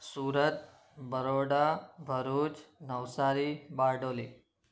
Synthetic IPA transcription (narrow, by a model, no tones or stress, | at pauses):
suːɾət̪ | bʱəɾoɽabʱəɾuːt͡ʃnəʋsaɾibaɖoːli